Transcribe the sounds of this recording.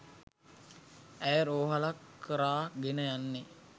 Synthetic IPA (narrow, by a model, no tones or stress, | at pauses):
æjəɾoːɦalakʰːəɾaːɡenəjanːe